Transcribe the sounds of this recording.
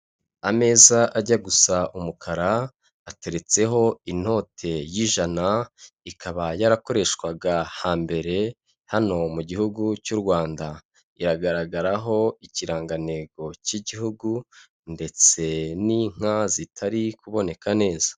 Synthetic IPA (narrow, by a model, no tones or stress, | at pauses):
ame̞ːzaʔaɟaɡusaʔumukʰaɾaː | te̞ɾe̞t͡se̞ɦo̞in̥ho̞ːtʰe̞jiʒana | ikʰaβajaɾako̞ɾe̞ʃkwaɡahaːmbe̞ɾe̞ | hano̞muɟihuɡucuɾɡwaːnda | iɾaɡaɾaɡaɾaɦo̞iciɾaːŋɡane̞ɡo̞ciɟiɦuɡu | nde̞t͡se̞niŋ̥azitʰaɾikuβo̞ne̞kane̞ːzḁ